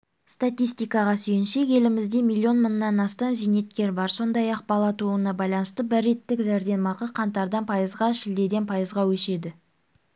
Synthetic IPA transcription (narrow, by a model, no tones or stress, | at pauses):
st̪at̪ʲijst̪ijkɑʁɑsɵjɪnʃe̞kʲe̞lɪmɪzd̪e̞milʲˠːio̞nmənːɑnɑst̪ɑmzine̞t̪kʲe̞ɾbɑɾso̞nd̪ɑjɑq̚bɑlˠɑt̪uənɑbɑjlˠɑnəst̪əbɪrːe̞t̪ːɪkʒæɾd̪e̞mɑqəqʰɑnt̪ɑɾd̪ɑnpʰɑjəzʁɑʃɪld̪e̞d̪e̞npʰɑjəzʁɑwɵʃe̞d̪ɪ